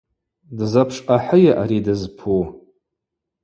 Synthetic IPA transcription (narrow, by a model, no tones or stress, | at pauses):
dzapʰʂʼqʼaħəjaʔaɾidɨzpʰu